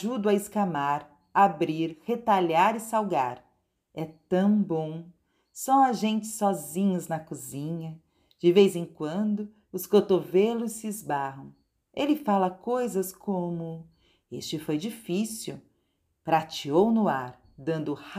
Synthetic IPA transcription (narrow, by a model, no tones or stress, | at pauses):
ʒud̪ʊɐɪskamaɾ | abɾiɾhet̪aʎaɾɪsawɡaɾ | ɛt̪ɐ̃w̃bõw̃ | sɐ̃w̃aʒẽnt͡ʃɪ̥sɔzĩɲɐznɐkuzĩɲɐ | d͡ʒɪvejzẽŋkwɐ̃nd̪ʊ | ʊskot̪ovelʊsːɪːzbaɦɐ̃w̃ | elɪfalɐkojzɐskõmʊ | ḛst͡ʃɪfojd͡ʒifisiw | pɾat͡ʃiownʊaɾ | d̪ɐ̃nd̪ʊh